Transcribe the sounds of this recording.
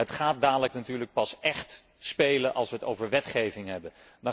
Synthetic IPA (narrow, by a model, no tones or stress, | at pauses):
ətχaːt̚daːdələknatyːɹlək̚pɑsɛχt | spejlənʔɑ̰lˠsʋəɦəto̰wvəɹʋɛtχejvɪŋɦɛbən | dɑ